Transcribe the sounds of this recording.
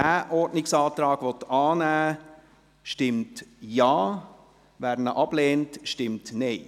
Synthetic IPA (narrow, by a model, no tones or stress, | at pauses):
æːʔɔɾdnɪksɑːt̪ɾɑːɡ̥ʋɔt̪ɑːnæː | ʃtɪmtjɑː | ʋæɾnəʔɑb̥leːntʃtɪmtneɪ